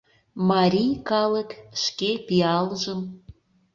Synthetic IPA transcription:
mɑɾʲijkɑləkʃkepiɑləʒəm

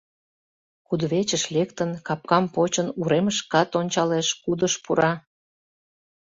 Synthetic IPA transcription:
kud̪βet͡ɕəʃlekt̪ənkɑp̚kɑmpot͡ɕənuɾeməʃkɑt̪onʲt͡ɕɑleʃkud̪əʃpuɾʔɑ

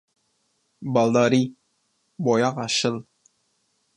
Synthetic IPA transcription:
bɑlˠd̪ɑɾi | bɔjɑqɑɕɤlˠ

